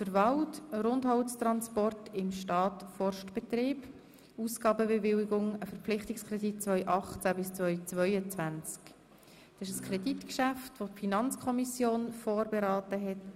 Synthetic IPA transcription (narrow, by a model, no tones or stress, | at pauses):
fəɾvɑlʊtɾʊndɦɔwst̪ɾɑnspɔrtʰɪmʃtɑːtfɔrʃtb̥ɛtrɪːb | uːsɡɑːbəbevɪwɪɡʊŋəfəɾpp͡flɪχtɪkskʰrɛdit̚t͡sʋœʏʔɑχt͡sæbɪst͡sʋœʏt͡sʋœʏət͡sʋænt͡sk | d̥ɑɪʃəskʰrɛditkʃæftʋotfinɑnt͡skʰɔmisjoːnfoːrbeɾɑːtəɦɛt